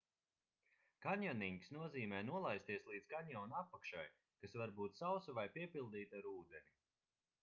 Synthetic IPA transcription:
kaɲʲjaniŋkʲisnuɔziːmɛːnuɔlˠajst̪iɛslˠiːd̪z̥kaɲʲjawnapːakʃaj | kasvaɾbuːt̪sawsuvajpiɛpilˠd̪iːt̪aɾuːd̪eni

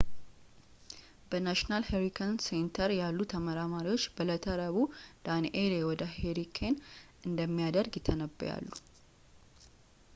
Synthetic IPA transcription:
b̥ənaʃnalheɾikʰənsent̪ʰəɾjalːut̪ʰəməɾamaɾiwo̞t͡ʃːbələt̪ʰəɾəβud̪̥anʔelewɔd̪əheɾikʰenʔɨnd̪əmːijad̪əɾɡjɪt̪ʰːənəbːə̰ja̰lːu

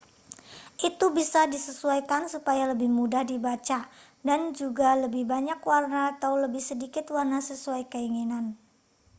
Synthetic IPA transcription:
ʔit̪ubisadisəsuajkansupajaləbɪhmudahdibat͡ʃa | dand͡ʒuɡaləbɪhbaɲakwarnaːt̪awləbɪhsədikɪt̪warnasəsuajkəiŋinan

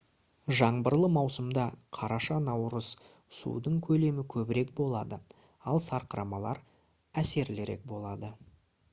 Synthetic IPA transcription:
ʒɑɴbəɾlˠəmɑwsəmd̪ɑqʰɑɾɑʃɑnɑwɾəz | sṵd̪əɴkʲʰɵle̞mɪkʲʰɵbɪɾe̞k̚bo̞lˠɑd̪ə | ɑlˠsɑɾqəɾɑmɑlˠɑɾ | æse̞ɾlɪɾe̞̰k̚bo̞lˠɑd̪ə

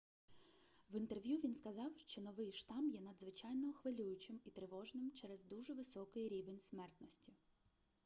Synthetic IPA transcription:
ʋint̪erʋʲjuʋʲinskɐzɑwʃt͡ʃɔnɔʋɪjʃt̪ɑmjɛnɐd̪zʋɪt͡ʃɑjnɔxʋɪlʲujʊt͡ʃɪmit̪ɾɪʋɔʒnɪmt͡ʃɛɾɛzd̪uʒɛʋɪsɔkɪɾʲiʋenʲsmɛrt̪nɔsʲtʲi

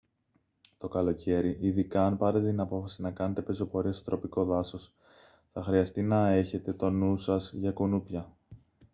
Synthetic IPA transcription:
t̪o̞kɐlo̞cʰe̞ɾiʔiðikɐːnpɐɾet̪et̪inɐpo̞fɐsinɐkɐne̞t̪e̞peso̞po̞ɾiɐsot̪ɾo̞piko̞ðɐso̞s | θɐxɾiɐst̪inɐe̞çe̞t̪e̞t̪o̞nusɐzʝɐkunupʝɐ

